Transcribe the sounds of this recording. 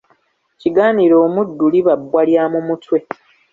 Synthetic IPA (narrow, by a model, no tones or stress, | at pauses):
ciɡaːniɾo̞ːmudːuliβabwaljamumutwe̞